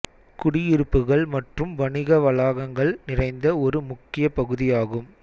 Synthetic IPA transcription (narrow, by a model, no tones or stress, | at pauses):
kʊɽɪjɪɾɯpːɯɣɐɭmɐʈrɯmʋɐɳɪɣɐʋɐlaːɣɐŋɡɐɭnɪrɐɪnd̪ɐɔɾɯmʊkːɪjɐpɐɣɯðɪjaːɣɯm